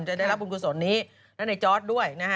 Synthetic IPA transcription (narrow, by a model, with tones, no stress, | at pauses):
mt͡ɕa˨da˥˩jɾa˦˥p̚ku˧nkʰu˧nsoː˩˦nːiː˦˥ | lɛ˦˥na˧jt͡ɕɔː˦˥t̪̚du˥˩əjna˦˥kʰ